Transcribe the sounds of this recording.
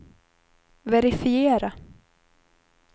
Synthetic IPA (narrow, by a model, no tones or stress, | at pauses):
vɛɾɪfɪeːɾa